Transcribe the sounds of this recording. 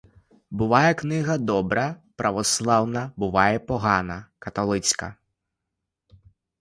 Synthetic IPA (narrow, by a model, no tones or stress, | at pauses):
bʊʋɑjɛknɪɣɐd̪ɔbɾɐpɾɐʋɔslˠɑwnɐbʊʋɑjɛpɔɦɑnɐkɐt̪ɔlˠɪt͡sʲkɐ̰